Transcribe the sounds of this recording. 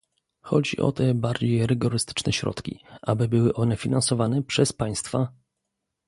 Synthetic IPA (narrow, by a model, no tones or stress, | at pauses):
xɔd͡ʑḭʔɔ̰t̪ɛbaɾd͡ʑejɾɘɡɔɾɘst̪ɘ̥t͡ʂnɛɕɾɔ̰t̪kʲḭʔabɘbɘwɘʔɔnɛfʲinansɔvanɛpʂɛspaj̃st̪fa